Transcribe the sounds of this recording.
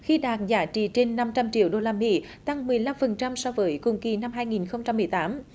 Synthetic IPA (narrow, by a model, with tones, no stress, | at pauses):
xi˧ɗaː˨˩t̚zaː˨˦t͡ɕḭ˧˨˩t͡ɕe˧nːa˧mt͡ɕa˧mt͡ɕḭ˧˨əwɗo˧laː˧mḭ˧˥ | t̪a˧ŋmɨ˨˩əjla˧mfə˨˩nt͡ɕa˧msɔ˧wvəː˨˦jkʊ̰˧˩ŋ͡mki˨˩na˧mɦaː˧jŋi˨˩nxə˧wŋ͡mt͡ɕa˧mːɨ˨˩əjt̪aː˨˦m